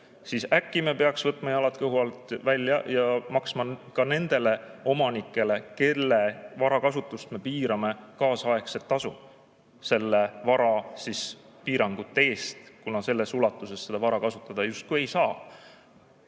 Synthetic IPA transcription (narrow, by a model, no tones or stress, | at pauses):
sisækːˑimepe̞ɑksvɤt̪ːˑmɑjɑɑlɑt̪ːkɤwhuɑlt̪ˑvælʲːjɑjɑmɑksmɑkɑne̞nd̪̥e̞le̞o̞mɑnikːˑe̞le̞ke̞lːevɑɾɑkɑsut̪ːˑust̪me̞piːɾɑme̞kɑːsɑe̞kset̪ːɑsṵ | se̞lːe̞vɑɾɑsispiːɾɑŋɡ̥ut̪ːˑe̞ːst̪kunɑse̞lːe̞sulɑt̪ːˑuse̞sːe̞d̪̥ɑvɑɾɑkɑsut̪ˑːɑd̪̥ɑjust̪̚kuejsɑː